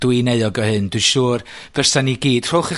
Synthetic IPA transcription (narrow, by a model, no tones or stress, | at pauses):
d̥wineɨɔɡɔhɨndwɨʃuːrv̥ɛrsaniɡiːd̥r̥olˠχi